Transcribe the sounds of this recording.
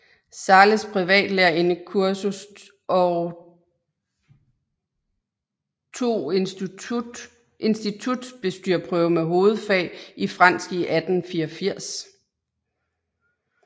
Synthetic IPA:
sɑ̈ːləspʰʁiʋɛ̰ːd̥leɐe̝nəkʰuɐsus | ɒ | t͡sʰo̝̰ː | ʔe̝nsd̥it͡sʰud̥b̥e̝sd̥yɐ̰pʰʁœːʊəmeɦo̝ːð̞̩ˠfɛ̰ːifʁɑ̈n̰sɡ̥iʔæd̥n̩fiːɐfiɐ̰s

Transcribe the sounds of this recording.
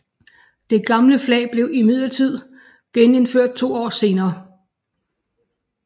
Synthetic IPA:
d̥e̝ɡ̥ɑ̈mləflɛ̰ːɪb̥le̝ʊimið̰ˠlɐt͡sʰið̞̰ˠ | ɡ̥ene̝nføɐ̰d̥̚t͡sʰo̝̰ːɒ̰ːse̝ːnɐː

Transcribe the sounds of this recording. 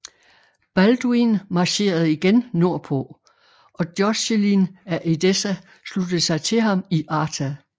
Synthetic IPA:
b̥æld̥uinmɑ̈ɕe̝̰ːɐð̞̩ˠiɡ̥enno̝ɐ̰pʰo̰ | ʔɒ̽d̥jɒselinæʔed̥esæ | slud̥ð̩ˠsɑ̈ɪt͡sʰe̝ɦɑ̈miʔɑ̈ːt͡sʰæ

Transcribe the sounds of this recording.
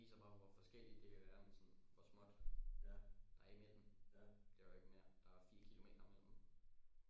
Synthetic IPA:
ḭːsɐb̥ɑ̈ʋɒfɒ̽sɡ̥el̰id̥d̥e̝kʰæʋæːɐmensɒ̽nʋɒsmɔ̽d̥ | d̥ɑ̈eɡmed̥m̩ʰ | eʊɐeɡ̥meɐd̥ɑ̈æɐfḭːɐkʰilo̝me̝̰ːd̥ɐmel̰̥m

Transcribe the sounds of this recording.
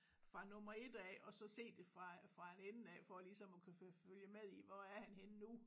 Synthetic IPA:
fʁɑ̈nɔ̽mɐe̝d̥ɛ̰ːɒ̽sɒ̽se̝̰ːd̥e̝fʁɑ̈fʁɑ̈enenn̩ɛ̰ːfɒ̽lisɒ̽mɒkʰufføljəmeðˠiʋɒæɐhænhenənu

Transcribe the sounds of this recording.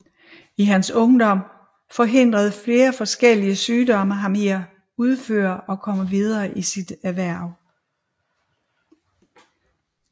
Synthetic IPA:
iɦænsɔ̽ŋd̥ɒ̽m̰ | fɒ̽ɦe̝n̰d̥ʁɐð̞ˠfle̝ːɐfɒ̽sɡ̥el̰iəsyːd̥ɒ̽mɐɦɑ̈meɐ̰ | uð̞ˠfø̰ːɐʔɒ̽kʰɒ̽m̰əʋið̞ˠɐːʔisid̥æʋæɐ̰ʊ

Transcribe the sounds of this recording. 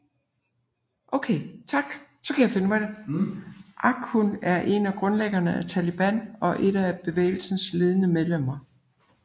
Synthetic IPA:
ʔoʊkʰeɪt͡sʰɑ̈ɡ̥sɒ̽kʰæjɑ̈fe̝nəmæɾe | ʔɑ̈ɡ̥ʰhunæɐʔe̝næɡ̥ʁɔ̽nleɡ̥ɐnəæt͡sʰælib̥æn̰ɒ̽ʔe̝ɾ̥æb̥e̝ʋḛːɪl̩sn̩sle̝ð̞ˠənəmeðˠlem̰ɐ

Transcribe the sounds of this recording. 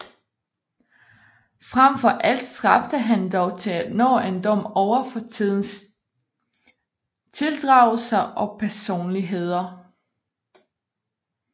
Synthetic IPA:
fʁamfɒ̽ʔæl̰d̥sɡ̥ɑfd̥əɦænd̥ɒʊt͡sʰe̝læ̥nɔ̰ːend̥ɒ̽m̰ɒʊɐfɒ̽ið̞̰ˠn̩s | t͡sʰe̝ld̥ʁɑ̈ːʊlsɐʔɒ̽pʰæɐso̝̰ːnliɦe̝ð̞̰ˠɐ

